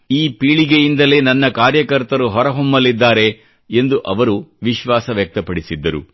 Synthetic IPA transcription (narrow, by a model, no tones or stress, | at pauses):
iːpiːɭiɡejind̪ɐle̞ːnɐnːɐkaːɾjɐkɐɾt̪ɐɾuɦɔɾɐɦomːɐlːid̪ːaːɾe̞ | end̪uʔɐʋɐɾuʋiʃʋaːsɐʋjɐk̚t̪ɐpɐɽisid̪ːɐɾṵ